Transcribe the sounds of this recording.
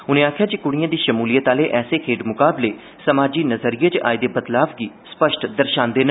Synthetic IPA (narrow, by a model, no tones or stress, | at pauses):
ʊnẽːaːkʰjaːd͡ʒikʊɽ̃ijãːd̪iːʃəmuːlijət̪aːleːʔɛːseːkʰeːʈmʊkaːbleː | səmaːd͡ʒiːnəzəɾijeːt͡ʃa̰ːed̪eːbət̪laːbɡiːspəʃʈd̪əɾʃãːnd̪eːn